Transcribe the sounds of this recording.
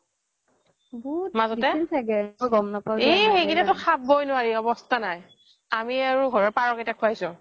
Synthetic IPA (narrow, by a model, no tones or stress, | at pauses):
bɔtmazɔtɛintʰaɡɛɔɡɔmnapaexeɡinɛtʊxʰabːojnʊwaɹiɔbɔstʰanaj | amiaɹuɡʱɔɹɔɹpaɹɔketakʰʊajsʊ̃